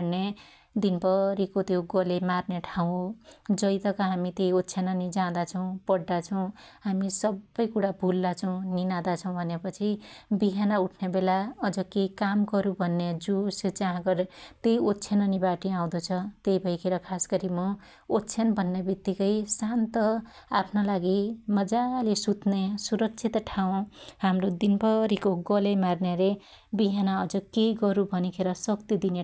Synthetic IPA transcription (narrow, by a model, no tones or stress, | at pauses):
ne | d̪inpʌɾikot̪joɡʌlemarneʈʰaw̃d͡zʌjt̪ʌkʌɦamit̪ejotːt͡sʰenʌnid͡zãd̪at͡sʰʌw̃pʌɽd̪at͡sʰʌw̃ɦamisʌbːʌjkuɽabʱulːat͡sʰʌw̃ninad̪at͡sʰʌw̃bʱʌnepʌt͡sʰibiɦanauʈʰnebelaʌd͡zʌkekamkʌɾubʱʌnːed͡zusd͡zaɦãkʌɾt̪ejotːt͡sʰenʌnibaʈiãw̃d̪ʌt͡sʰʌt̪ejbʱʌjkʰeɾʌkʰaskʌɾimʌ | otːt͡sʰenbʱʌnːebit̪ːikʌjsant̪ʌ | apʰnolaɡimʌd͡zalesut̪nesuɾʌk̚t͡sʰit̪ʈʰaw̃hamrod̪inpʌɾikoɡʌlemarnele | biɦanaʌd͡zʌkejɡʌɾubʱʌnikʰeɾʌsʌkt̪id̪ine